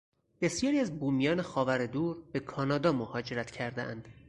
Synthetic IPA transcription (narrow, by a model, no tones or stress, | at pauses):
b̥e̞sijɒːɾiæzbuːmijɒːne̞xɒːvæɾed̪uːɾb̥e̞kʰɒːnɒːd̪ɒːmohɒːd͡ʒe̞ɾæt̪ʰcʰæɾd̪eʔænd̪̥